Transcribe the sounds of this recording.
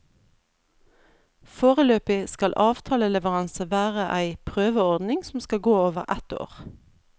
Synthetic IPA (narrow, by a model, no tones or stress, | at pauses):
foːʁəløːpɪskɑlʔɑːʋt̪ʰɑːləlɛʋəʁɑnsəʋæːʁəʔæɪpʰʁøːʋəɔʁd̪nɪŋsɔm̩skɑɡoːoːʋəʁʔæt̪o̰ːʁ